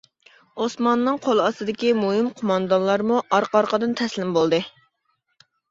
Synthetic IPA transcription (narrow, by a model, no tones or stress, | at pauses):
osmɑnːɨŋqʰolˠɑsɨd̪ɪkʲimuɦɪmqʰomɑnd̪ɑnlˠɑɾmuʔɑɾqɑɾqəd̪ɨnt̪ʰɛslɪmbolˠd̪ɨ